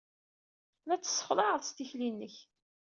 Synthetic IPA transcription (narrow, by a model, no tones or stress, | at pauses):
læt͡sːə̥sˤːə̥χðˤɑʕðˤst̪içlinːəç